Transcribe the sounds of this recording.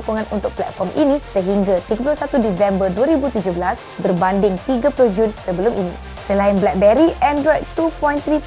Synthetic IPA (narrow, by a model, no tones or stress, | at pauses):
koŋãnṵnt̪ʊk̚plɛ̰t̪̚fɔrmʔḭnĩsəɦiŋɡat̪iɡap̬ulʊhsat̪udisɛmbərduaɾibut̪ud͡ʒʊbəlas | bərbandɪŋt̪iɡapulʊhd͡ʒunsəbəlʊmʔinḭ̃ | səlaɪnblɛk̚bɛɾiɛndɾɔjt̪upɔjnt̪ɾi